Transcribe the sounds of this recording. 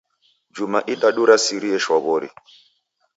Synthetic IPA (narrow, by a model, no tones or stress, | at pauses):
d͡ʒumaʔiɗaɗuɾasiɾiɛʃwɔβɔɾḭ